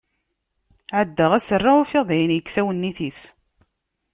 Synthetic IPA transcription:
ʕəd̪ːəʁæsərˤːaufɪðˤijənjəkːsæwənːiθis

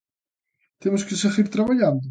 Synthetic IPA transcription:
t̪emʊskɪseɣiɾt̪ɾaβaʎand̪ʊ

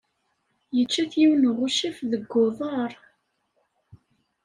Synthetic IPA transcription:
jət͡ʃːæθjiwnʁʊʃifðəɡːʊðˤɑɾˤ

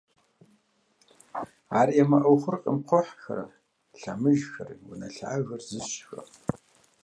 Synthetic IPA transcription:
aːrjɛmɐʔɐwχʷʊrqʼəmqʷʰɔħxɐ̰ɾɐ̰ | ɬamɨʒxɐrwʊnɐɬaːʒɐrzɨɕxʷɐ̰

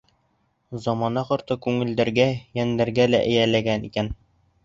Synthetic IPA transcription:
zɒmɑnɑqŏɾt̪ɤkʉŋɘ̆ld̪æɾɡæjænd̪æɾɡælæ̰ʔɘ̆jælæɡænikæn

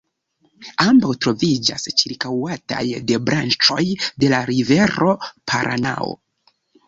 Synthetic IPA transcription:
ambawtɾo̞vid͡ʒa̰st͡ʃiɾkawata̰jde̞bɾʔant͡ʃo̞jde̞laɾive̞ɾo̞pʰaɾʔa̰na̰o̰

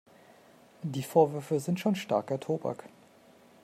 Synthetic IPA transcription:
diːfoːɐvʏɐfəzɪntʃoːnʃta̰ɐkɛɐtʰoːba̰k

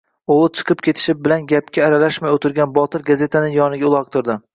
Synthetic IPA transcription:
olˠt͡ʃʰɨ̥qʰɨpkʲʰe̞t̪ʰɪ̥ʃɪp̚bɪlanɡʲap̚kʲʰaːɾalaʃmajot̪ʰɪɾɡʲanbɒt̪ʰɪɾɡaze̞t̪ʰanɪjɒnɪɡʲaʊlˠɒq̚t̪ʰʊɾd̪ɪ

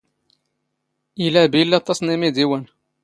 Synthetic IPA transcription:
ʔilæbilːæt̪ˤːɑsˤnimid̪iwən

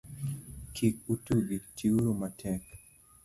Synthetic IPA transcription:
kʰik̚utuɡitiuɾomatʰɛk

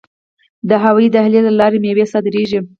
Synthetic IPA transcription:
d̪əɦawɑjid̪ahlelalɑɾemewesɑd̪ɾeʒi

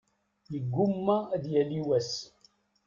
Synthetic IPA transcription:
jəɡːʊmːæðjæliwæs

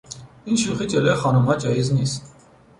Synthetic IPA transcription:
inʃʰuχit͡sɛlɛχɑnumhɑt͡ʃɑjiznis

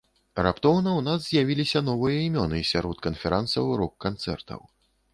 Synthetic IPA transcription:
rapt̪ɔwnɐwnazzʲjavʲilʲisʲɐnɔvɨjɐimʲɔnɨsʲaɾɔt̪̚kɐnfʲɛɾansɐwɾɔkːant̪sɛ̰rt̪ɐ̰w

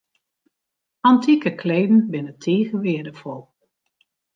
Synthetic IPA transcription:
antʰikəkʰleːdn̩bɪnətʰeːɣəʋɪədəfɔlˠ

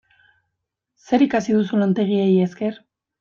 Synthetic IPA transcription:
se̞ɾikasiðusulant̪e̞ɣ̞iejeske̞ɾ

